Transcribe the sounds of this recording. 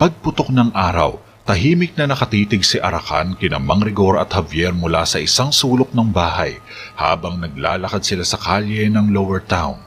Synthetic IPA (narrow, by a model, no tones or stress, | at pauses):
pɐɡ̚pʊt̪ok̚nɐŋʔaːɾɐ̰w | t̪ɐɦiːmɪk̚nɐnɐkɐt̪iːt̪ɪɡsɪʔɐɾɐka̰nkɪnɐ̰mɐŋɾɪɡo̞ɾɐ̰t̪hɐvjɛɾmʊla̰sɐʔɪsaŋsuːlok̚nɐŋbaːhɐj | ha̰ːbɐŋnɐɡ̚la̰ːlɐkad̪sɪlasɐkaljɛnɐŋlowɛɹt̪awn